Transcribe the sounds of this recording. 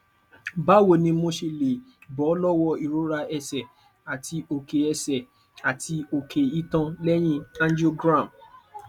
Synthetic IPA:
ba˦˨wo˨nĩ˧mo˧ʃe˨le˨bɔ˨˦lɔ˦wɔ˧i˨ɾo˦ɾa˧ɛ˧sɛ˨ | a˨ti˧o˨ke˨ɛ˧sɛ˨ | a˨tʰi˧o˧kʰe˨i˦tã˧lɛ˦j̃ĩ˦ã˦nd͡ʒo˦ɡɾã˦˨m

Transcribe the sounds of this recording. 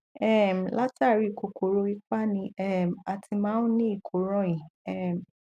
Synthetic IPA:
ɛ˦˨m̩˨la˦ta˦˨ɾi˨˦i˨ko˨ko˨ɾo˧˦i˧˦k͡pa˦nĩ˧ɛ˦˨ma˧ti˧mãː˦nu˦nĩ˦i˦˨kʰo˨˦ɾɔ̃˦ĩ˨ɛ˦˨m˨

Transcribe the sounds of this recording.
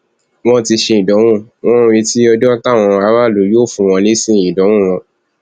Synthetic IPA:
w̃ɔ̃˦ti˧ʃe˧ĩ˨dɔ˨˦w̃ũ˦˨w̃ɔ̃˦˧ɾe˧ti˦ɔ˧dɔ˦ta˦˨w̃ɔ̃˧a˧˦ɾa˦˨lo˨˦jo˦˨fũ˧w̃ɔ̃˧li˦sĩ˦˨ĩ˨dɔ˨˦w̃ũ˦˨w̃ɔ̃˧

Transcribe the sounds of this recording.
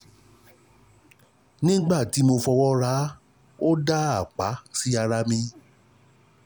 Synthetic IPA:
nĩ˦ɡ͡ba˦˨ti˨˦mo˧fɔ˧wɔ˦ɾa˦ | o˦da˦a˨k͡pa˨˦si˦a˧ɾa˧mĩ˧

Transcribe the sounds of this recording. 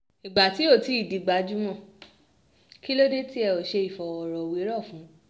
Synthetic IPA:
i˨ɡ͡ba˨ti˨˦o˦˨ti˨˦i˦˨di˨ɡ͡ba˨˦d͡ʒu˦mɔ̃˦˨ | ki˦lo˦de˦ti˦ɛ˧o˨ʃe˧i˨fɔ˨ɔ˨ɾɔ˨wi˨˦ɾɔ˦˨fũ˨˦

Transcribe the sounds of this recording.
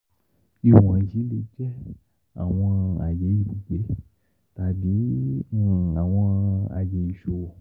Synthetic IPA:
i˧wɔ̃˨d͡ʒi˨˦le˧d͡ʒɛ˦ | a̰˨w̃ɔ̃˧a̰˨je˨˦ji˨˧˨bu˨ɡ͡be˨˦ | t̪a˨bi˨˦˨ | a˨w̃ɔ̃˧a̰˨je˨˦i˨ʃo˧˨

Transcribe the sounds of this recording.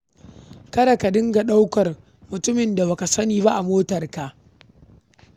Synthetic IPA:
kɐ˦da˨ka˨dɪ˦ŋɡa˨ɗa˦wkɐ˨r | mʊ˨tʊ˦mɪ˨nda˨ba˨ka˨sɐ˦niː˨ba˦ʔa˨moː˦tɐ˨rka˨ʔ

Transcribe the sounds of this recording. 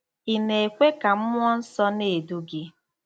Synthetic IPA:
i˨ne˨e˨kʷe˦ka˨m̩˦mʷ˦ɔ˦n̩˦sɔ˦ne˨du˦ɡɪ˦

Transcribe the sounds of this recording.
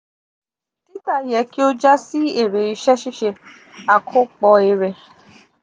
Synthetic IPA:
pi˦ta˦˨jɛ˨˦ki˦o˦d͡ʒa˦si˦e˦˨ɾe˨i˧ʃɛ˦ʃi˦ʃe˧ | a˨kʰo˦k͡pɔ˧e˧ɾe˨

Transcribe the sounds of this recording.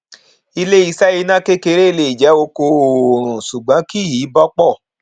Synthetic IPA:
i˧le˦i˧sɛ˦ji˧nã˦ke˦ke˧ɾe˦i˧le˧˨i˨d͡ʒɛ˨˦o˧ko˧˨ɾ̃ũ˨su˨ɡ͡bã˨˦ki˦˨iː˨˦bɔ˦k͡pɔ˦˨

